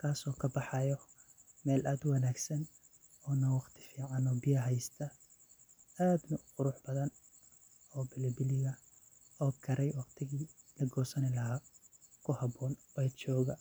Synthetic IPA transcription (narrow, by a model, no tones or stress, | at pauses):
kʰaːsɔːkʰɐbɑħɑjɔ | mɛːlʔaːd̪ʊwɑnaːɡsɐn | ɔːnɐwɑqt̪ʰɪ̥fiːʕɑnɔːbɪjɐɦɛjst̪ʰɐ | aːd̪nʊqʊɾʊħbɐðɐn | ɔːbɪlɪbɪlɪɣɐ | ɔːkʰɐɾɛjwɑqt̪ʰɪɣiːlɐɡɔːsɐnɪlɐɦaːkʰʊhɑbɔːnwɛt͡ʃɔːɣɐ